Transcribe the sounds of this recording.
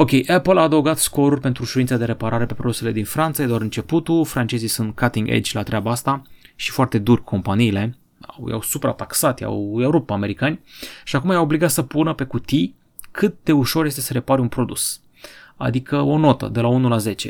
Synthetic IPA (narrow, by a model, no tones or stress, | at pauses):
o̞kʲe̞jʔapəlaːd̪əwɡat̪sko̞ɾurʲpe̞nt̪ɾuʃuɾint̪sad̪e̞ɾe̞paɾaɾe̞pe̞pɾod̪use̞le̞d̪infɾant̪sajed̪oaɾɨnt͡ʃe̞put̪ulfɾant͡ʃe̞zisunt̪̚kʰat̪iŋɡḛd͡ʒʲlat̪ɾʲabaast̪aʃi̥foart̪e̞d̪urʲkʰo̞mpaniːle̞ | a̰wja̰wsupɾa̰t̪aksat̪ja̰wjawɾupt̪̚peame̞ɾikanʲʃiakumajaobliɡat̪səpunəpe̞kut̪i | kʰɨt̪̚d̪euʃo̞rje̞st̪e̞səɾe̞paɾʲunpɾo̞d̪us | a̰d̪ikʰəo̞no̞t̪ə̰d̪e̞launulaze̞t͡ʃe̞̰